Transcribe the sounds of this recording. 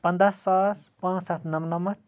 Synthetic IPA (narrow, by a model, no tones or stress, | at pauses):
pɐnd̪asːaːspãːt͡ssat̪nɐmnɐmɐt̪